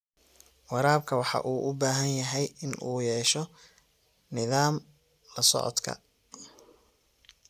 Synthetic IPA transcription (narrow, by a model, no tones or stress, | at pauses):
wɑɾaːbkʰɐwɑħɑ̰ʔuːʔʊbaːɦɐnjɐɦɛjɪnʔuːjɛːʃɔ | nɪðaːm | lɐsɔ̰ʕɔ̰d̪kʰɐ̰